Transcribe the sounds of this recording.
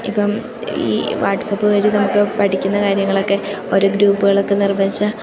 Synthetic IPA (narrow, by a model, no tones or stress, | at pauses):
ipːɐm | ḭːʋaːʈːsɐbɨʋɐɾinɐmukːɨpɐʈʰikʲːunːɐkaːɾjɐŋːɐɭo̞kːe̞o̞ɾuɡɾuːpːuɣɐɭo̞kːe̞nirbɐnt͡ɕːɨ